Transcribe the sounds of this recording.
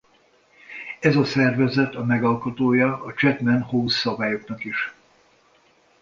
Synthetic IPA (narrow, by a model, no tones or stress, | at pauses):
ɛzɒsɛrvɛzɛt̪ɒmɛɡɒlkot̪oːjɒːt͡ʃɛt̪mɛnhoːsːɒbaːjo̞knɒkiʃ